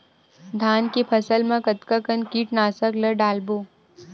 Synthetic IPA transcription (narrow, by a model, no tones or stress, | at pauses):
d̪ʱaːnkepʰəsəlmãkət̪kakənkiːʈnaːsəkləɖaːlboː